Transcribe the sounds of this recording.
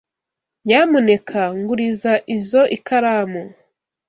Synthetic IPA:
jaːmune̞kʰaŋɡuɾizaʔizo̞ʔikaɾaːmo

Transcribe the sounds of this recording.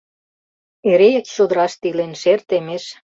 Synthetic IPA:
eɾejekɕod̪ɾɑʃt̪ilenʃert̪emeʃ

